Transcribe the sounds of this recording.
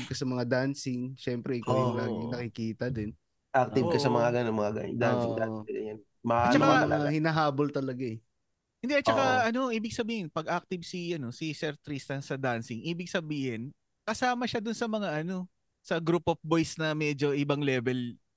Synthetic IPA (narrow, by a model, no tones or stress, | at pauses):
b̚kɐsɐmɐŋad̪ansɪŋʃɛmpɾɛʔkɐlɪlaːɡɪŋnɐkɪkiːt̪ɐd̪ɪn | ʔak̚t̪ɪvkɐsɐmɐŋaɡɐnonmɐŋaɡɐ̰d̪anɪaɐɐ̰ɐn | mɐat͡ʃɐahɪnɐɦaːbolt̪ɐlɐɡaɛ | hɪnd̪ɛʔɐt͡ʃɐkaɐno̞ʔiːbɪɡ̚sɐbiːhɪnpɐɡʔak̚t̪ɪbsiʔɐno̞sisɛɾt̪ɾist̪ɐnsɐd̪ansɪŋʔiːbɪɡ̚sɐbiːhɪn | kɐsaːmɐʃad̪ʊnsɐmɐŋaʔɐno̞ | sɐɡɾuːpofbo̞jsnɐmɛd͡ʒo̞ʔɪbɐŋlɛːbɛl